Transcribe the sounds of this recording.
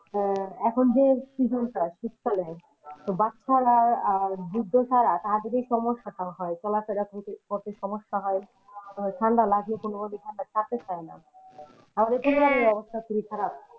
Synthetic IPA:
ɛkʰond͡ʑesid͡ʑʱonkɾaʃukkʰale | t̪obatːɕʰaɾaɾad͡ʑud̪ʱːot͡ʃʰaɾat̪aɦad̪eɾejʃɔmoʃːaʈaɦɔet͡ɕɔlafeɾakʰont̪epoɾt̪eʃɔmoʃːaɦɔj | ʈʰanɖalaɡnikonobonet̪ʰanɖat͡ɕʰat̪epaena̰ | amaɾekunoameɔbost̪ʰafuɾik̪ʰaɾab̚

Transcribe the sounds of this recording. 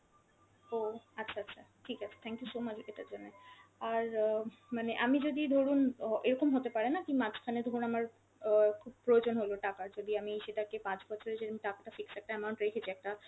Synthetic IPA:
oatːʃʰaatːɕʰa | ʈʰikat͡ɕʰḁt̪ʰɛŋkjusomat͡ɕkeʈaɾd͡ʑonːeaɾmaneʔamid͡ʑod̪id̪ʱoɾunʔeɾɔkomɦot̪epaɾenakĩmat͡ɕʰkʰaned̪ʱoɾunamaɾ | kʰub̚pɾood͡ʑonɦoloʈakaɾd͡ʑod̪iamiʃeʈakepãt͡ɕbɔt͡ɕʰoɾeʃeamiʈakaʈafiksɛk̚ʈaɛmawɳʈɾekʰet͡ɕʰeɛk̚ʈa

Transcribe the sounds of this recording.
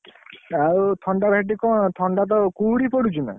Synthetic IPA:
awt̪ʰɔɳɖabʱeʈikɔt̪ʰɔɳɖat̪̬ɔkuɽipɔɽut͡ʃʰuna̰

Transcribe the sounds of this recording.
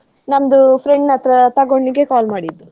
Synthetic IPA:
nɐmɐd̪upʰɾeɳɖnɐt̪ɾɐt̪ɐɡoɳɖiɡe̞kaːlmaːɽid̪ːu

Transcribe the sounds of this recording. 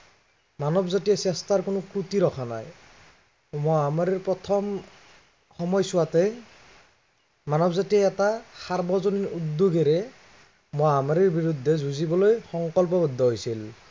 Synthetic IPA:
manɔbzatijasɛstaɹkonʊkɹutiɹɔkʰana̰j | mojamaɹiɹpɹɔt̪ʰɔm | xɔmɔjsʊwatɛ | manɔbzatijaɛtasaɹbʱɔzoniɹud̪ːoɡɛɾɛ | mojamaɾiɹbiɹud̪ʱːɛzʱuzibɔlojxɔŋkɔlp̬ɔbɔd̪ʱːɔɦojsil

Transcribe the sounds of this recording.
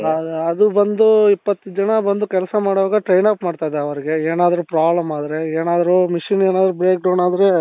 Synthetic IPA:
ɐɐd̪ubɐnd̪uipːɐt̪ːud͡ʒɐnɐbɐnd̪ukɛlɐsɐmaːɽɔʋaːɡɐʈɾejnaːpmaːɖt̪aːjd̪eɐʋɐɾiɡe̞eːnaːd̪ɐɾupɾaːblɐmaːd̪ɐɾe̞eːnaːd̪ɐɾumiʂineːnaːd̪ɐɾubɾeːk̚ɖɐwnaːd̪ɐɾe̞

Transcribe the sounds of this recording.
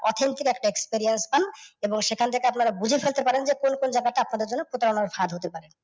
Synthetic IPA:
ɔ̰t̪ʰint̪ikɛkʈaekspeɾienspaneboŋʃekʰant̪ʰekeapnaɾabud͡ʑʱifelt̪epaɾend͡ʑekonkond͡ʑaɡaʈaapnad̪eɾd͡ʑonːepɾot̪aɾonaɾfad̪ɦot̪epaɾen

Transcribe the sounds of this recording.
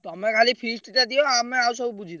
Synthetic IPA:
t̪ɔmɛkʰalipʰisʈt̪ad̪ijɔameawsɔbubud͡ʒʱit̪

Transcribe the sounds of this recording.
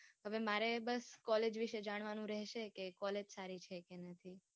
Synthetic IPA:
ɦəʋemaɾebəskɔled͡ʒʋiʃed͡ʒaɽ̃ʋanũɾɛɦʃekekɔled͡ʒsaɾit͡ʃʰekenət̪ʰi

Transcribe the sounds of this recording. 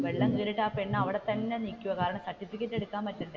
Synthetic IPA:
ʋeɭːɐŋɡiːɾiʈːaːpeɳːɐʋiɽet̪ɐnːenikʲːuʋɐkaːɾɐɳɐmsɐʈʰːifikʲːetːe̞ɽukːaːmpɐtːuɳɖɨ

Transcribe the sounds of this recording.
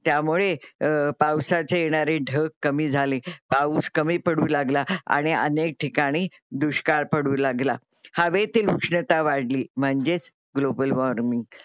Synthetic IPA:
t̪jamuɭepawsat͡sejeɽ̃aɾeɖʱəkːəmiːd͡zʱalepauːskəmiːpəɽuːlaɡlaa̰ɽ̃iə̰nek̚ʈʰikaɽ̃iː | d̪uɕkaɭpəɽuːlaɡla | haʋet̪iːlukʂɳət̪aʋaɽliːm̤əɳd͡ʑet͡s | ɡlobəlʋɔɾmiŋɡ

